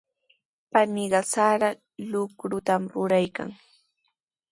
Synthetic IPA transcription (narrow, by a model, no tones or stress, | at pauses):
panɪɢɑsaɾa | lʊkɾʊt̪amɾʊɾajka̰ŋ